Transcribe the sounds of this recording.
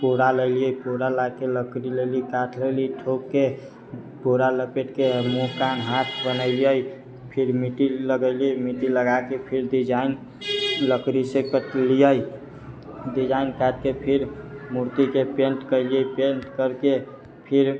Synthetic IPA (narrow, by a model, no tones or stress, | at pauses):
poɾaləɪlijəjpoɾalakeləkɾilelikaʈʰleliʈʰokke | poɾaləpeʈkemokanɦat̪ʰbənəɪlijəj | pʰiɾmiʈiləɡəɪlimiʈiləɡakepʰiɾɖid͡ʒain | ləkɾisekəʈlijəj | ɖid͡ʒainkaʈ̚kepʰiɾmuɾt̪ikepeɳʈkəlijəjpeɳʈkəɾke | pʰiɾ